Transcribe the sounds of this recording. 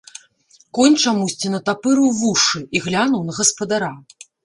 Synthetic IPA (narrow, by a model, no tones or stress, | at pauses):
kɔnʲt͡ʂamusʲt͡sʲinɐt̪apɨɾuvuʂɨiɣlʲanɐwnɐɣɐspɐd̪aɾa